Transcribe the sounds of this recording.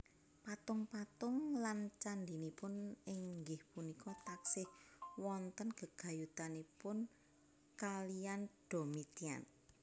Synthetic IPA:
pat̪ʊŋpat̪ʊŋlant͡ʃand̪inipʊnɪŋŋɡɪhpunikɔt̪aksɪhwɔnt̪ənɡ̥əɡ̥a̤jut̪anipʊn | kalijand̥o̤mit̪ia̰n

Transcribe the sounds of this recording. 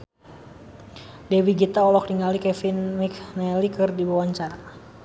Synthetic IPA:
dɛwiɡit̪aɔlɔk̚diŋalikɛfinmiknɛlikɨrdibawaɲt͡ʃaɾa

